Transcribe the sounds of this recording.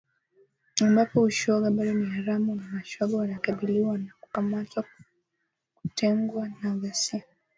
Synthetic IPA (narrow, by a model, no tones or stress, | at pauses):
ambapɔuʃɔɡaɓaɗɔnihaɾamunamaʃɔɡawanakaɓiliwanaku̥kamatwa | ku̥tʰɛŋɡwanaɣasia